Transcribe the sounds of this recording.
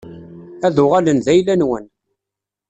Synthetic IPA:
æðʊʁælənðæjlænwən

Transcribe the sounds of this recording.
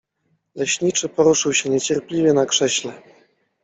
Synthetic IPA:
lɛɕɲit͡ʂɘpɔɾuʂɘwɕɛɲɛt͡ɕɛɾpʲlʲivʲjɛnakʂɛɕlɛ

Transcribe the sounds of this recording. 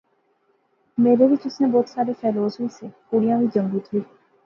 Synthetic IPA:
meːɾeʋɪt͡ʃʊsneboːt̪saːɾepʰɛːloːsʊiːseːkuɽijãʋiːd͡ʒə̃ŋbiːt̪ʰʊiː

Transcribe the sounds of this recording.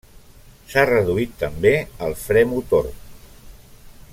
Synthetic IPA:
sarəðuit̪ːəmbeəlˠfɾɛmut̪o̰ɾ

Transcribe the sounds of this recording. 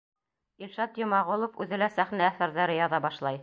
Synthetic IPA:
ilʃɑt̪jŏmɑʁolˠofʉðɘlæsæχnæːθæɾðæɾɘjɑðɑbɑʃlˠɑj

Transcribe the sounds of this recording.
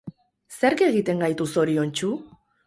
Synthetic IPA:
se̞ɾke̞ɣit̪e̞ŋɡajt̪uso̞ɾio̞nt͡ʃu

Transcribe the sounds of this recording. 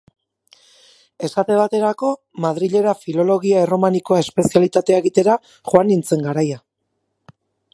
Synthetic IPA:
e̞sat̪e̞βat̪e̞ɾako̞ | maðɾiʎe̞ɾafilo̞lo̞ɣiaero̞maniko̞ae̞spe̞sialit̪at̪e̞eɣit̪e̞ɾa | χoanint͡se̞ŋɡaɾaja

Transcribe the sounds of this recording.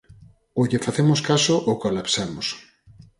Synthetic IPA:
oʎefaθemoskasoʔokolapsamos

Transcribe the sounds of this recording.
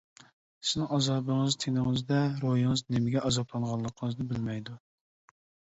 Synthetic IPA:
sɪznɪŋɑzɑːbɨŋɨzt̪ʰenɪŋɨzd̪ɛɾojɨŋɨznɪmɪɡʲɛʔɑzɑplˠɑɴʁɑlˠːəqʰəŋɨznɨbɪlmɛjd̪u

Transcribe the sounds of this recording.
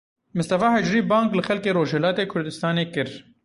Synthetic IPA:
mʊst̪ɐfaːɦɛd͡ʒɾiːbaːŋklɨxɛlkeːɾoːʒhɛlaːt̪eːkʰʊɾd̪ɨst̪ɑːneːkɨɾ

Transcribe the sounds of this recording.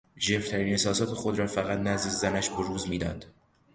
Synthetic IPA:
ʒeft̪ʰæɾiːnhesɒːsɒːt̪ʰe̞xod̪ɾɒːfæɣæt̪næzd̪ezænæʃbeɾuːzmiːd̪ɒ̰ːnd̪̥

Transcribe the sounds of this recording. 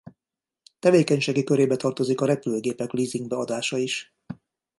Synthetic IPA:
t̪ɛveːkɛɲʃeːɡikøɾeːbɛt̪ɒrt̪o̞zikɒɾɛpyløːɡeːpɛkliːziŋɡ̚bɛɒd̪aːʃɒiʃ

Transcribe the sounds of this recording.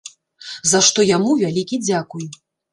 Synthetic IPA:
zaʂt̪ɔjamuvʲalʲikʲid͡zʲakuj

